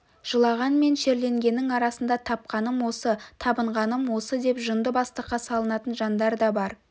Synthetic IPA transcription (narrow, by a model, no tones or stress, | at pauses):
ʒ̥əlˠɑʁɑnme̞nʃe̞ɾle̞ŋɡʲe̞nːɪŋɑɾɑsənd̪ɑt̪ʰɑp̚qɑnəmwo̞sət̪ʰɑbəɴʁɑnəmwo̞səd̪e̞pʒənd̪əbɑst̪əqːɑsɑlˠənɑt̪ənʒɑnd̪ɑɾd̪ɑbɑɾ